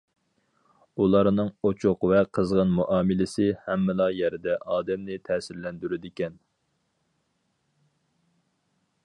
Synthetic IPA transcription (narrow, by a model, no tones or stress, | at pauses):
ulˠɑɾnɨŋot͡ʃʰʊqvɛqʰəzʁənmuʔɑːmɪlɪsɪhɛmːɪlɑjɛɾɪd̪ɛʔɑːd̪ɛmnɪt̪ʰɛːsɪɾlɛnd̪yɾyd̪ɪkʲɛn